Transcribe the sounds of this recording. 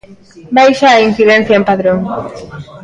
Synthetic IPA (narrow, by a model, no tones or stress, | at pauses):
bajʃaːin̟θiðẽn̟θjaẽmpaðɾoŋ